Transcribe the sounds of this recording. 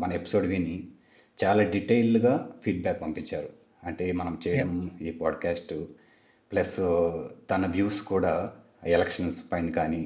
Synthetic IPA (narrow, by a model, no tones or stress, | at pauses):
mɐnɐe̞pi̥soːɖʋiːnːi | t͡ʃaːlaːɖiʈɐjlːuɡaːpʰiːɖ̚baːkpɐmpiɲt͡ʃːaːɾu | ɐɳʈe̞ːmɐnɐmt͡ʃɛːjɐɽɐmiːpaːɖkaːsʈ | plɐst̪ɐnɐʋjuːskuːɽaː | elɐkʂɐnspɐjɳɖkaːni